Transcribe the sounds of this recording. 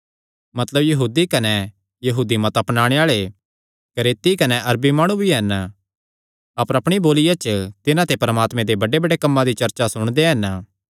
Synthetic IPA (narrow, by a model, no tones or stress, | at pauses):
mɐt̪ləbjɐɦuːd̪ikɐnɛ | jɐɦuːd̪imɐt̪ɐpnaːɽ̃eaːɭe | kɐɾeːt̪ikɐnɛʔɐɾbimaːɽ̃ubʱiɦɛn | ɐpəɾɐpɽ̃iboːlɪjat͡ʃət̪ɪnãt̪epɐɾəmaːt̪mẽd̪ebɐɖebɐɖekɐmːãd̪it͡ʃɐɾt͡ʃasʊɽ̃d̪eɦɐn